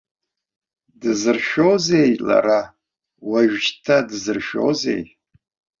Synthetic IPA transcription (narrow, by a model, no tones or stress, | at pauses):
dɨzɨrʃᶣowzejla̰ɾa | waʒᶣd͡ʒtʰadɨzɨrʃo̞̰wze̞̰j